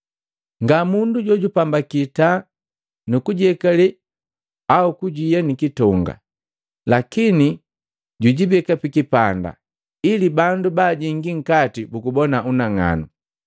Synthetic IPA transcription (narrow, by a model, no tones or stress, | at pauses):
ŋɡamunduɟɔɟupambakita | nukuɟɛkalɛ | aukuɟijanikitɔŋɡa̰ | lakini | ɟuɟibɛkapikipanda̰ | ilibandubaːɟiŋɡiŋ̩katibukubɔnaunaŋa̰nu